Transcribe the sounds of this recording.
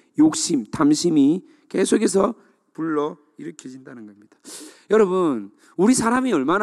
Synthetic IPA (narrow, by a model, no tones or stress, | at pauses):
jok̚ɕ͈imtamɕʰimi | ke̞sʰoɡe̞s̬ʰʌ | puɭːʌ | iɾʌkʰjʌd͡ʑindanɯnɡʌmɲid̥ḁjʌɾʌbun | uɾisʰaɾamiʌɭman